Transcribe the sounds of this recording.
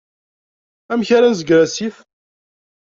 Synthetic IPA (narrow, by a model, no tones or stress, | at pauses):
æmçaɾænzəɡɾæsif